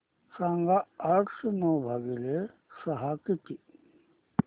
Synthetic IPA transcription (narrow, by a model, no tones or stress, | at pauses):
sãːŋɡaaʈʰsemoːbʱaɡile | sɐɦakit̪i